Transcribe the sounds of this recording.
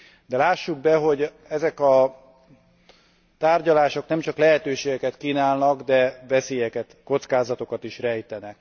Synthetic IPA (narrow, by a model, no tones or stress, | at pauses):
d̪ɛlaːʃːuɡ̚bɛɦo̞ɟ | ɛzɛkɒ | t̪aːrɟɒlaːʃo̞knɛmt͡ʃɒklɛɦɛt̪øːʃeːɡɛkɛt̪kiːnaːlnɒɡd̪ɛvɛseːjɛkɛt̪ko̞t̪skaːzɒt̪o̞kɒt̪iʃrɛjt̪ɛnɛk